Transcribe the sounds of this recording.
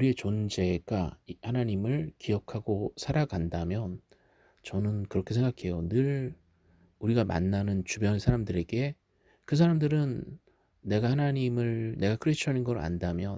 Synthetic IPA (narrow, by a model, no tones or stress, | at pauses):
uɾie̞t͡ɕond͡ʑe̞ɡaihanaɲimɯɭkijʌkʰaɡosʰaɾaɡandamjʌn | t͡ɕʌnɯnkɯɾʌkʰe̞sʰeŋɡakʰe̞jonɯɭ | uɾiɡama̰nːanɯnt͡ɕubjʌnsʰaɾamdɯɾe̞ɡe̞ | kɯs̬ʰaɾamdɯɾɯnː | e̞ɡahanaɲimɯɭne̞ɡakʰɯɾet͡ɕʰʌnɯnɡʌɾa̰ndamjʌ